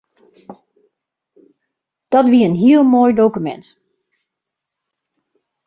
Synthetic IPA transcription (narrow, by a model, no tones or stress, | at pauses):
d̥ɔtʋiəənɦiəlˠmoːjdowkymɛ̰nt